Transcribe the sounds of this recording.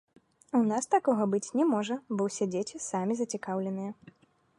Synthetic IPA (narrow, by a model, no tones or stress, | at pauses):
unast̪akɔɣɐbɨt͡sʲnʲɛmɔʐɐbɔwsʲɛd͡zʲet͡sʲisamʲizɐt͡sʲikawlʲɛnɨjɛ